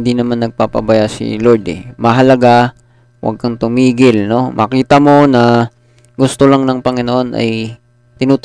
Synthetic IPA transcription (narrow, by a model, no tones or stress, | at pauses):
nd̪inɐmanːɐɡ̚papɐ̰bɐjasɪ̰loɹd̪ɛ̰mɐɦɐlɐɡa | wʔɐ̰ɡ̚kɐŋt̪ʊmiːɡɪlno̞mʔɐkiːt̪ɐmo̞nɐ | ɡʊst̪olaŋnɐŋpɐŋɪnoʔo̞nʔɐ̰j | t̪ɪnuːt̪